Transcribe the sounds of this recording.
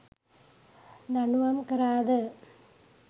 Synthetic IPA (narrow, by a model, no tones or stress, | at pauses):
nɐɳuʋɐmkɐɾaːðɯ